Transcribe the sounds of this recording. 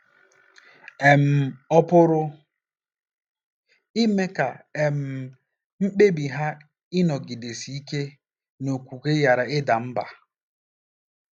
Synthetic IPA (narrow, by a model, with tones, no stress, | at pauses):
e˨m̩˨ɔ˦pʊ˦ɾʊ˦ | i˦me˦ka˨e˨m̩˨ | m̩˦k͡pe˦bi˨ɦa˦ | ɪ˦nɔ˨ɡi˨de˨si˨i˦ke˦ | no˨kʷu˨ke˦ja˨ɾa˨ɪ˦da˨m̩˦ba̰˨